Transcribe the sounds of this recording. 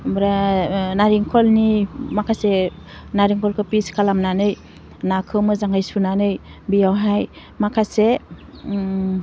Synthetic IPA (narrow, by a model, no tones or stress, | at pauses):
bɾanaɾiŋkʰɔlnimakʰase | naɾiŋkʰɔlkʰɯpiskʰalamnanɯj | nakʰɯmɯzaŋɡajsunanɯjbijawɦaj | makʰase